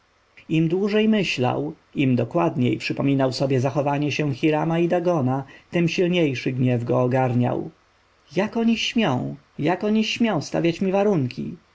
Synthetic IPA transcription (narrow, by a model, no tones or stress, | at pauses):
imd̪wuʐɛjmɘɕla̰w | imd̪ɔkwad̪ɲejpʂɘpɔmʲinawsɔbʲjɛzaxɔvaɲɛɕɛw̃xʲiɾamaid̪aɡɔnat̪ɛmɕilɲejʂɘɡɲɛvɡɔːɡaɾɲa̰w | jakɔɲiɕmʲjɔ̃w̃ | jakɔɲiɕmʲjɔ̃w̃st̪a̰vʲjat͡ɕmʲivaɾuŋkʲʰḭ